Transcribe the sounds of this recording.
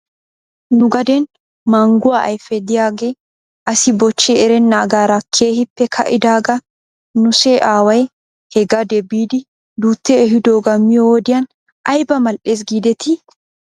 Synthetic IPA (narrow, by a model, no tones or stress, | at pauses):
nʊɡɐd̪ɛn | maːŋɡʊwaːʔɐ̰jfɛd̪ɪjaːɡe̞ː | ʔɐsɪbɔt͡ʃːeɛɾɛnːɐːɡaːɾɐkʰːeːhɪpːɛkʰɐ̰ʔɪd̪aːɡɐ | nʊseːʔaːwɐj | hɛɡɐd̪ɛbiːd̪ɪ | d̪uːt̪ːɛːɦɪd̪oːɡɐmːɪjowɔd̪ɪjan | ʔɐjbɐmɐlʔeːs̬ɡiːd̪ɛt̪ʰɪ